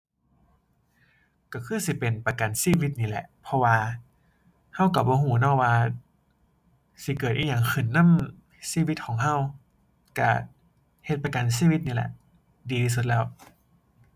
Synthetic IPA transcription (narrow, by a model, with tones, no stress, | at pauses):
ka˧˩kʰɯː˧˥˩si˧˦pe˨npa˧ka˨˩nsiː˧˥˨wi˧t̪̚niː˧˩lɛ̰˧˦ʔpʰɔ˧waː˧ | ha˧˥˨wka˧˩bɔː˧˦ɦuː˧˩˦nɔː˧˩˨waː˧ | si˧˦kɤː˨˩t̪̚ʔi˧˩ɲaː˨˩ŋxʰɯ˨˧˩nːa˧˥˨m | siː˧˨wi˧t̪̚kʰɔː˩˦ŋɦa˧˥˨w | ka˧˩ | he˧t̪̚pa˧ka˨ns̬iː˧˨wi˧˦t̪̚niː˧lɛ̰˧ʔ | diː˧tʰiː˧s̬u˧t̪̚lɛː˧˩˨w